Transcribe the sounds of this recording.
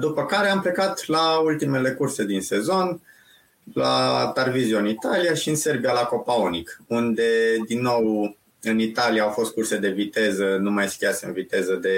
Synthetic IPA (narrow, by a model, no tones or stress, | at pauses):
d̪upəkaɾe̞ample̞kat̪lault̪ime̞le̞kurse̞d̪inse̞zo̞n | la̰t̪arvizioɨnit̪alijaʃiɨnse̞rbijalako̞paonikund̪e̞d̪inːo̞w | ɨnit̪alijaːwfo̞st̪̚kurse̞d̪e̞vit̪e̞zənumajskʲiat̪seɨ̰nvit̪e̞zəd̪e̞